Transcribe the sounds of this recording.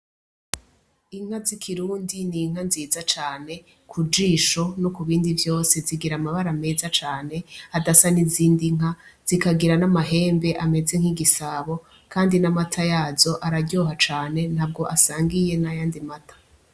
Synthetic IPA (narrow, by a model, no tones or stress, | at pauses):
iŋ̥azikʰiɾuːndiniŋ̥anziːzat͡ʃaːne̞ | kʰud͡ʒiːʃo̞no̞kuβiːndivjo̞ːse̞ziɡiɾamaβaɾame̞ːzat͡ʃaːne̞adasaniziːndiŋ̥az̥ikaɡiɾanamaɦeːmbe̞ʔame̞ze̞ŋ̥iɡisaβo̞ | kʰaːndinamatʰajaːzo̞ʔaɾaɟo̞ɦat͡ʃaːne̞n̥haːb̚ɡo̞ʔasaːŋɡije̞najaːndimatʰḁ